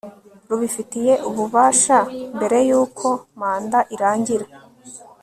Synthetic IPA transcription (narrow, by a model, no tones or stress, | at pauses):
ɾuβifitije̞ʔuβuβaːʃambe̞ɾe̞juːkʰo̞maːndaʔiɾaːɲɟiɾa